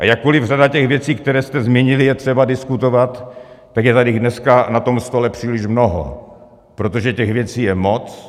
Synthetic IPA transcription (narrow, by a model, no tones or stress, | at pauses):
ʔa̰jakːolɪvr̝adacɛɣvjɛt͡siːk̚t̪ɛɾɛːst̪ɛzmɛɲɪlɪjɛt̪r̥ɛbadɪskut̪ovat̪ː | akjɛt̪adɪɣdnɛskanat̪o̞mst̪o̞lɛpr̝̥iːlɪʃmnoɦo̰ | pɾot̪oʒɛcɛɣvjɛt͡siːjɛmot͡s